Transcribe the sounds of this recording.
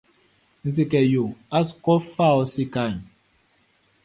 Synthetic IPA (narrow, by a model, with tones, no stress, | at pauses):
n̩˨zi˨kɛ˨jo˨a˦skɔ˦fa˦˨ɔ˦si˦ka˦˨n